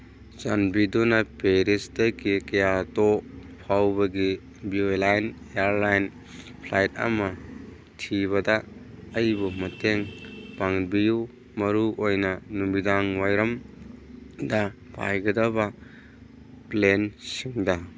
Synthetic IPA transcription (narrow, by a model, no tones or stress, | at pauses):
zanbidunɐpeɾistɐkikɐjato | pʰawbɐɡi | biojlajn | eaɾlajn | pʰlajt̚ɐ̰mɐ | tʰiβɐdɐːjbumɐteŋpaŋbiju | mɐɾuʔojnɐnumidaŋwajɾɐm | dɐ | pʰa̰jɡɐdɐbɐ | plensiŋdɐ